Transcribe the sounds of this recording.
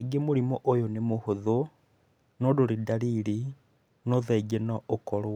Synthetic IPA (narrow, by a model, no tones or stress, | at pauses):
ɡemuɾimoʔojonemuhuðo | nodoɾidalili | noðeɡenaʔokolo